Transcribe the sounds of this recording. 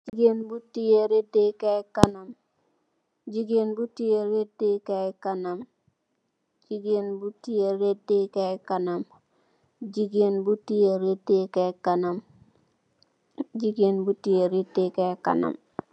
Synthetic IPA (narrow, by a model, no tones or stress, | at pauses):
d͡ʒiɡenbutijeɾedekakanam | d͡ʒiɡenbutijeɾedekakanam | d͡ʒiɡenbutijeɾedekakanam | d͡ʒiɡenbutijeɾedekakanam | d͡ʒiɡenbutieɾedekaka̰na̰m